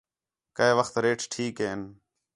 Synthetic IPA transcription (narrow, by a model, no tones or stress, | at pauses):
kəeːʋəxt̪ɾeːʈʰʈʰiːkɦeːn